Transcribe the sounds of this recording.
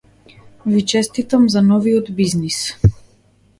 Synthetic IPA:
vit͡ʃɛst̪it̪amzanɔviɔd̪biznis

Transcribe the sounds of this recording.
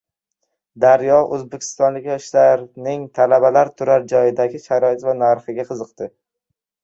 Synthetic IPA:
d̪aɾjɒʔɵzbekʲʰɪ̥st̪ɒnlɪkʲjɒʃlaɾnɪŋt̪ʰalabalaɾt̪ʰʊɾaɾd͡ʒɒjɪd̪aɡʲɪʃaɾɒɪt̪vanaɾχɨɡʲaqʰɨzɨqt̪ɪ

